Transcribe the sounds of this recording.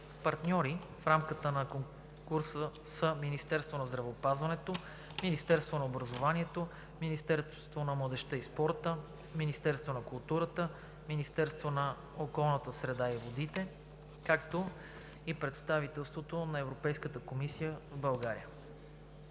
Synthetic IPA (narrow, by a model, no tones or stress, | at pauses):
pɐɾt̪nʲɔɾi | fɾamkət̪ənɐkoŋ | kuɾsə | səminist̪ɛɾst̪vonɐzd̪ɾɐvɛopazvɐnɛt̪o | minist̪ɛɾst̪vonɐobɾɐzovaniɛt̪o | minist̪ɛɾ | t̪vonɐmlˠəd̪ɛʃt̪əispɔɾt̪ə | minist̪ɛɾst̪vonɐkulˠt̪uɾət̪ə | minist̪ɛɾst̪vonɐ | okɔlˠnət̪əsɾɛd̪aivod̪it̪ɛ | kakt̪o | ipɾɛt̪st̪avit̪ɛlˠst̪vot̪onɐɛvɾopɛjskət̪əkomisijəvbɐlˠɡaɾḭjə